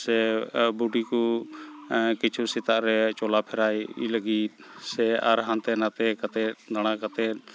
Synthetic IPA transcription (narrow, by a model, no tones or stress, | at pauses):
sɛbuɖiku | kit͡ʃʰusit̪aʔɾɛt͡ʃɔlapʰɛɾajḭləɡisɛa̰ɾɦant̪ɛnat̪ɛkat̪ɛd̪aɽ̃akat̪ɛ